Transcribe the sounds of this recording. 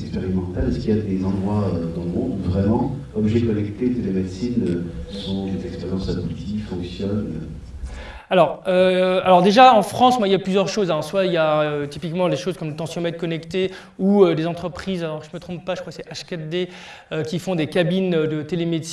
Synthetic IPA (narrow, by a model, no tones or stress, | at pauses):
kspeʁimɑ̃t̪alɛskiljad̪ezɑ̃d̪ʁwaød̪ɑ̃ləmɔ̃d̪vʁɛmɑ̃kɔmʒekɔnɛkt̪et̪elemed̪sinøsɔ̃d̪ezɛkspɛʁjɑ̃sad̪ut̪ifɔ̃ksjɔnø | alɔʁøalɔʁd̪eʒaɑ̃fχɑ̃smwailjaplyzjœʁʃozɛ̃swaijaøt̪ipikmɑ̃leʃozkɔmlət̪ɑ̃sjɔ̃mɛd̪̚kɔnɛkt̪e | uød̪ezɑ̃t̪χəpχizalɔʁʒəmət̪χɔ̃pːaʒəkwaksɛʔaʃkat̪d̪e | økʲifɔ̃d̪ekabinød̪ət̪elemed̪s